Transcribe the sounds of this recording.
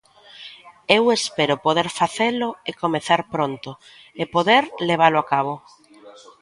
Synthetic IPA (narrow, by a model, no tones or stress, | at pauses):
ewespeɾʊpoðeɾfaθelʊekomeθaɾpɾont̪ʊ | epoðeɾleβ̞aloakaβ̞o